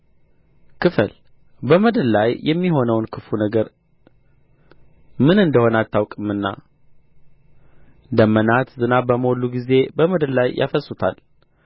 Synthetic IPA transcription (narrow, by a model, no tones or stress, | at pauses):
kʰɨfə̰l | bəməd̪əllajːɛmːiɦo̞nəwnkʰɨfunəɡəɾ | mɨnɨnd̪əho̞nəat̪ːawkʼɨmːɨnːa̰ | d̪əmːənat̪zɨnabəmolːuɡize̞bəməd̪əllajʔa̰fəsʼːut̪ʰa̰l